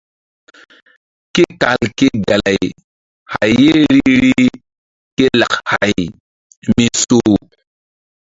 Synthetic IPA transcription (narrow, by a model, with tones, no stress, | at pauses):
ke˦ka˨lke˦ɡa˨la˨j | ha˨jːe˦ɾi˦ɾi˦ | ke˦la˨kha˨j | mi˦so˦